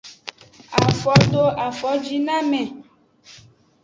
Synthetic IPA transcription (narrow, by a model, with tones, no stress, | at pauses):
a˨fɔ˨t̪o˦a˨fɔ˨˦d͡ʒi˦nã˦mɛ̃˨